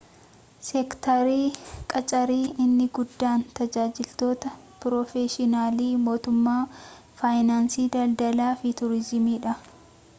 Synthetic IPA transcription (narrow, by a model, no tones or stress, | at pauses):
sɛkt̪ɐɾiːkʼɐt͡ʃʼɐɾiːʔɪnːɪɡʊd̪ːaːnt̪ɐd͡ʒaːd͡ʒɪlt̪o̞ːt̪ɐ | pɾɔfeːʃɪnaːliːmo̞ːt̪ʊmːaː | faːjnaːnsiːd̪ɐld̪ɐlaːfɪt̪ʊɾɪzɪmiːᶑɐ